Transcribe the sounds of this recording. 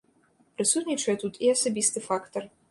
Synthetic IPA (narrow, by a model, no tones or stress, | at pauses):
pɾɨsut̪ʲnʲit͡ʂɐjɛt̪ut̪ʰiɐsabʲist̪ɨfakt̪ɐr